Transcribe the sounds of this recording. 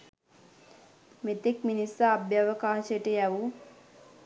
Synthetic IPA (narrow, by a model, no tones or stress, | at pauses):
met̪ekminisaːbjaʋəkaːsəʈəjæʋu